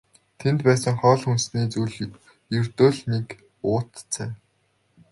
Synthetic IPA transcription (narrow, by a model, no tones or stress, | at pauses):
t̪ʰent̪pæːsə̆ŋχɔːɮxunsniːt͡sujɮ | jɵrt̪oːɮnek | ʊːt̪t͡sʰæː